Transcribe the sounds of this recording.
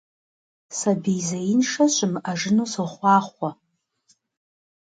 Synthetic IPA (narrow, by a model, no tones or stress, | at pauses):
sabejzajɪnʂaɕʷʼɨmaʐɨnusɨχʷɑːχʷa